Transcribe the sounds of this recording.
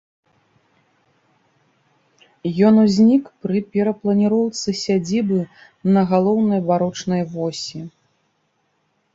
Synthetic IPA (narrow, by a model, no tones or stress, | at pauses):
jɔnuzʲnʲikpɾɨpʲɛɾɐplˠɐnʲiɾɔwt̪sɨsʲad͡zʲibɨ | nɐɣalˠɔwnɐjbaɾɔt͡ʂnɐjvɔsʲi